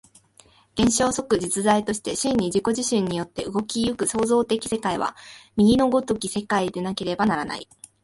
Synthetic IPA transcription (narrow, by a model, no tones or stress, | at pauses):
ɡ̥ẽ̞ɰ̃ɕo̞ːso̞kɯ̟d͡ʑit͡sɨzait̪o̞ɕi̥t̪e̞ɕĩɲ̟ːid͡ʑiko̞ʑiɕĩɲ̟ːijo̞t̪ːe̞ɯ̟ɡo̞kʲijɯkɯ̟so̞ːzo̞ːt̪e̞kʲi̥se̞kaiβ̞a̰mʲiɡʲino̞ɡo̞t̪o̞kʲise̞kaid̪e̞nake̞ɾe̞banaɾana̰ḭ